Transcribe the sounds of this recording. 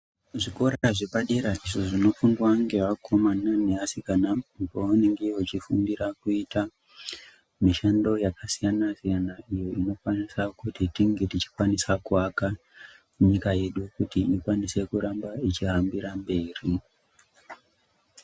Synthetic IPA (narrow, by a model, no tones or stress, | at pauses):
ʐiko̞ɾaʐebaɗeɾaʔiʐoʐino̞fundwaŋɡe̞ʋakʰo̞mananeasikanampoaneŋɡewot͡ʃifundiɾakuita | miʃando̞jakasijanasijanaijo̞ino̞kwanisakutitiŋɡe̞tit͡ʃi̥kwanisakuaka | muɲikaje̞ɗukutiikwanise̞kuɾambait͡ʃiɦambiɾambe̞ːri